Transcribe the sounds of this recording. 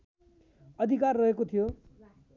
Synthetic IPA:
ʌd̪ʱikarːʌɦekot̪ʰijo

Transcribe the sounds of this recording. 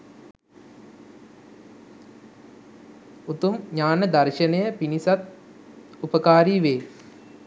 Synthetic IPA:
ut̪umɲaːnəd̪ɐrʃɐnejəpinisat̪ | upəkaːɾiʋeː

